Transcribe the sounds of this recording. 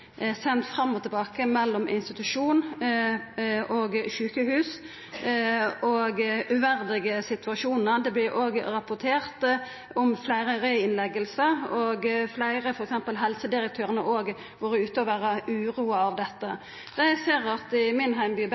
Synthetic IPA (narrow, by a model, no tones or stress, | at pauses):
sɛnt̪fɾɑmːɔt̪ʰɛbɑːkəmɛlːɔmʔɪnst̪ɪt̪ʉʂuːn | ʔoɡʃʉːkəɦʉːs | ɔɡʉʋæʁd̪ɪɡəsɪt̪ʰʉɑʃuːnəɾd̪ɛblɪʔoːɡɾɑpʊʁt̪ʰeːʁt̪ | ɔmflæɪɾəɾœʏɪnlɛɡəlsəɾɔːɡflæɪʁəfɔɾɛksɛmpəlɦɛlsəd̪ɪɾək̚t̪ʰøːɾənəʔoːɡ | ʋɑːɾəʉːt̪əɔʋæːʁəʉːʁuːɑɑʋd̪ɛt̪ːə | d̪̥æɪseːɾɑt̪ɪmɪnɦæɪmbyːb